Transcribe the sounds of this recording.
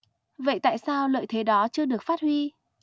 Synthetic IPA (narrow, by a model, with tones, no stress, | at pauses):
və̰˧˨jt̪a̰ː˧˨jsaː˧wlə̰ː˧˨jt̪ʰe˨˦ɗɔ˨˦t͡ɕɨ˧əɗɨ˨˩ək̚faː˦˥t̚hwi˧